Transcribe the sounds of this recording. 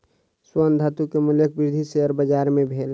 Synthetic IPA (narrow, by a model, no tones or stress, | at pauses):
swənd̪ʱət̪ukemuljək̚bɪɾd̪ʱiseəɾbəd͡ʒaɾmẽbʱeːl